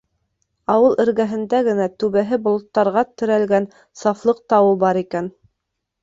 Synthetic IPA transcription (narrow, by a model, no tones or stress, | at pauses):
ɑwɤlˠʔɘ̆ɾɡæɦɘ̆nd̪æɡɘ̆næt̪ʉβæɦɘbŏlˠŏt̪ːɑɾʁɑt̪ɵ̆ɾælɡæn | sɑflˠɤq̚t̪ɑwɤbɑɾikæn